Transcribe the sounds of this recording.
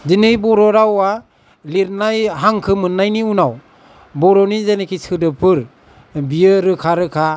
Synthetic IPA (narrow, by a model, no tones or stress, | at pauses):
dinɯjbɔɾɔɾawa | liɾnajɦaŋkʰɯmɯnːajniunaw | bɔɾɔnizanekʰisʰɯdɯpʰɯɾ | bijɯɾɯkʰaɾɯkʰa